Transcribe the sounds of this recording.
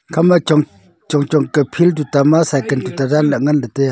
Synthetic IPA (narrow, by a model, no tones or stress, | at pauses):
kʰama | t͡ɕoŋt͡ɕoŋkə̥pʰilt̪ut̪amasʰakənt̪ut̪araləŋand̪ət̪e